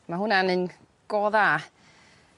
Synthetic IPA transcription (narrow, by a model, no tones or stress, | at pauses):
maɦʊnanɨn | ɡ̥ɔːða